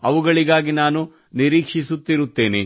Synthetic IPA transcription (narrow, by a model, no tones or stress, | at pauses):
ɐʋuɡɐɭiɡaːɡinaːnu | niɾiːkʂisut̪ːiɾut̪ːe̞ːne